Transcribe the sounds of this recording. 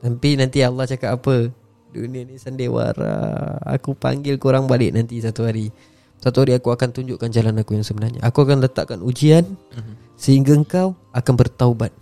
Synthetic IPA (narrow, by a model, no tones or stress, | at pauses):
t̪ampinant̪ialːaht͡ʃakat̪apə | dṵnĩənisandewa̰ɾa̰a̰kupa̰ŋɡɪlkuɾaŋbalɪʔnant̪isat̪uɦaɾi | sat̪uɦaɾiakuakant̪uɲd͡ʒuʔkand͡ʒalanakujaŋsəbənarɲa̰ʔakuakanlət̪a̰ʔkanud͡ʒian | səhiŋɡaəŋkaw | akanbərt̪aubat̪̚